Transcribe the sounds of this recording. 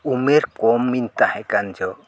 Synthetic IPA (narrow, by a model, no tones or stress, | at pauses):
umeɾkɔmːint̪ahɛ̃kand͡ʒɔ